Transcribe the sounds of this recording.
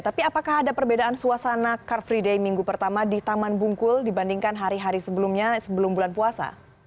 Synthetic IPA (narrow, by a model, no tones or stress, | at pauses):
t̪apiapakaɦadapərbedaʔansuasanakarfɾidejmiŋɡupərt̪amadit̪amanbuŋkʊldibandiŋkanɦaɾiɦaɾisəbəlumɲasəbəlʊmbulanpuasa̰